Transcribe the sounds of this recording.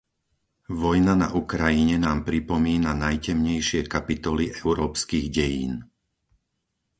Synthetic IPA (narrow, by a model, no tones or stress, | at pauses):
ʋɔjnana̰ʔukɾajiɲɛnaːmpɾipɔmiːnanajcɛmɲɛjʃɪɛkapit̪ɔliʔɛʊɾɔːpskiːɣɟɛjḭːn